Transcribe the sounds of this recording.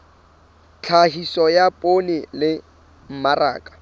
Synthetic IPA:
t͡ɬʰaɦisɔjapʼonɪlɪ | m̩mara̰ːkʼḁ

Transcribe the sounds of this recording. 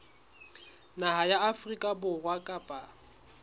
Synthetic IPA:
naɦajaːfrikʼabʊrwakʼapʼa

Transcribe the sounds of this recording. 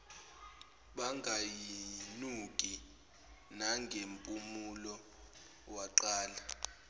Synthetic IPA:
ɓaŋɡʱajinukʼi | naŋɡʱempʼumulɔ | waǃaːla

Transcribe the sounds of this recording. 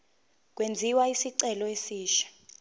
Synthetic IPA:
k̬ʼwend͡zʱiwaisiǀɛlɔesiːʃḁ

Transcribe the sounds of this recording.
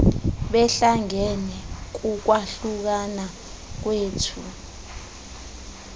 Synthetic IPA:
ɓɛɬaŋɛnɛk̬uk̬waɬuk̬ana | k̬weːtʰu

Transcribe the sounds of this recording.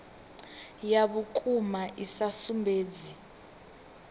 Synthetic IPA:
jaɓukʰʼumaʔisasumbʱeːd͡zi

